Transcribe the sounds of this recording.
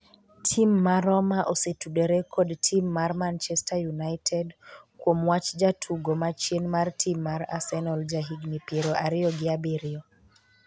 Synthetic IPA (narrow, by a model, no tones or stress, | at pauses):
tʰimːaɾɔmaʔosetudeɾɛkʰɔdtʰimːarmant͡ʃɛstajunajtʰɛdkwomwat͡ʃd͡ʒatʰuɡomat͡ʃjenmartʰimːaɾa̰sɛnɔld͡ʒaɦiɡnipjeɾoʔaɾɪɔɡɪabeɾɪɔ